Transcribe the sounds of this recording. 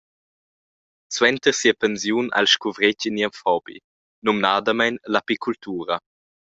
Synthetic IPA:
swɛnt̪əʁsiəpɛnzjuna̰lʃkuvɾeciniəmfɔbḭ | numnad̪əmajnlapikʰult̪uːɾə

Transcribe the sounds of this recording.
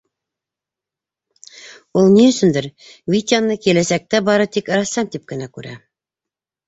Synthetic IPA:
ulˠniɵ̆sɵ̆nd̪ɘɾ | vʲit̪ʲanːɤkilæsæk̚t̪æbɑɾɤt̪ikɤ̆ɾɑsɑmt̪ip̚kɘ̆nækʉɾæ̰

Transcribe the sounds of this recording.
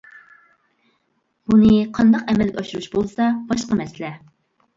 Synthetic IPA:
b̥unɨqʰɑnd̪ɑqɛmɛlɡʲɑʃuɾuʃbolˠsɑb̥ɑʃqɑmɛsɪlɛ

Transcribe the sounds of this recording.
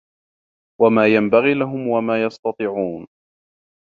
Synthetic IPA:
wamaːjambaɣiːlaɦʊmwamaːjɑst̪ɑt̪ˤiːʕuːn

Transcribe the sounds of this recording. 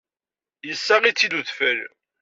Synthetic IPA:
jəsːaʁit͡sːid̪uðfəl

